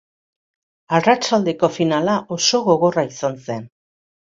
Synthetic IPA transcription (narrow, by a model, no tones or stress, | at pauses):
arat͡ʃald̪e̞ko̞finalaʔo̞so̞ɣo̞ɣ̞o̞raisanse̞n